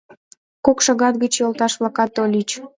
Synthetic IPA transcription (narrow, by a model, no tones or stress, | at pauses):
kokʃɑɣɑt̪̚ɡət͡ɕjolˠt̪ɑʃβlɑkɑt̪ːolʲit͡ɕ